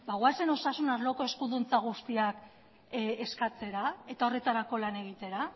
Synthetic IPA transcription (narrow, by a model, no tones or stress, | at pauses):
baɣwase̞no̞sasunazlo̞ko̞eskuðunt͡saɣ̞ust̪iak | eskat͡se̞ɾae̞t̪ao̞re̞t̪aɾako̞lane̞ɣ̞it̪e̞ɾa